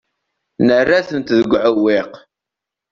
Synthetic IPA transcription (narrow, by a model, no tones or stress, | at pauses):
nərːaθənt̪ðəɡʷːʕəwːɪq